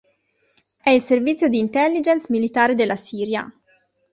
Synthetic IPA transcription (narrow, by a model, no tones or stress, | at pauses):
ɛisɛɾvit͡sːjɔd̪iːnt̪ɛlːid͡ʒɛnsmilit̪aːɾid̪ɛlːɐsiːɾjɐ̰